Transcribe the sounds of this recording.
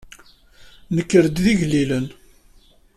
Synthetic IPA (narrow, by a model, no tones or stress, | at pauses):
nəkːəɾəd̪ðiʝlːilən